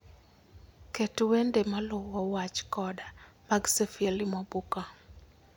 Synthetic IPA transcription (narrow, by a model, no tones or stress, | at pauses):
ketwendemalʊwɔwat͡ʃkɔdamaɡsefelɪmɔbuka